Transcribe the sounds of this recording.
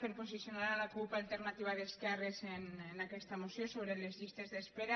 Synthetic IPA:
peɾposisjonaɾalakulpaːlt̪eɾnat̪iβaðeskɛrezenenakɛst̪amosjosoβɾelezʎist̪ezðespeɾa

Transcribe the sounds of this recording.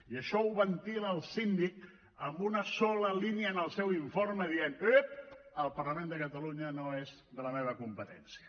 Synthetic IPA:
iəʃɔuβənt̪iləːlˠsind̪ik | əmbunəsɔləliniənəlˠsɛwiɱforməðienøp | əlˠpərləmend̪əkət̪əluɲənoez | ðələmeβ̞əkumpət̪ɛnsiə

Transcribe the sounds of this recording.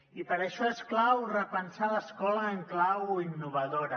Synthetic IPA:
ipəɾəʃɔesklawrəpənsaləskɔləːŋklawinːuβ̞əðoɾə

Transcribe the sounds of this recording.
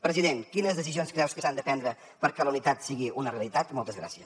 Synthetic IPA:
pɾəziðenkinəzðəsizionskɾɛwskəsand̪əpɛnd̪ɾə | pəɾkɛləunit̪at̪siɣiʔunəreəlˠit̪at̪mɔlˠt̪əzɣɾa̰siə

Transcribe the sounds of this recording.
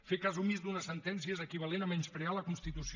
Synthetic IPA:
fekazumizd̪unəsənt̪ɛnsiəzəkiβ̞alenamɛnspɾealəkunst̪it̪usi

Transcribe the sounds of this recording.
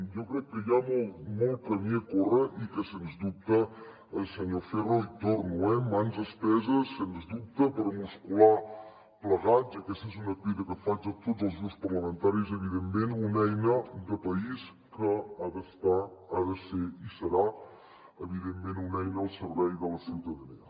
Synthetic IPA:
jɔkɾɛkːəjamolt̪molˠt̪̚kəmiəkorəʔikəsenzd̪up̚t̪əː | lˠsəɲoferot̪oɾnuɛmanzəspɛzəsːenzd̪up̚t̪əpəɾmuskula | pləɣat͡səkɛst̪ezunəpiðəkəfad͡ʒət̪otzəlˠzɣɾupspərləmənt̪aɾizəβ̞iðemːenunɛjnəd̪əpəis | kəaðəst̪aːðəseisəɾa | əβ̞iðemːẽnunɛjnəːəlˠsəɾβɛjðələsiwt̪əðəniə

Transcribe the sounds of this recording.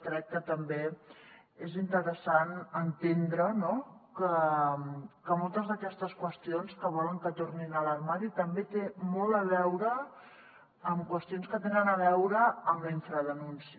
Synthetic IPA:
t̪ɾɛk̚ːət̪əmbe | ezint̪əɾəsanənt̪end̪ɾənokə | kəmɔlˠt̪əzðəkɛst̪əskwəst̪ionskəβ̞ɔləŋkət̪orninələrmaɾit̪əmbet̪emɔlˠəβ̞ɛwɾə | mkwəst̪ionskət̪enənəβ̞ɛwɾəəmliɱfɾəðənunsi

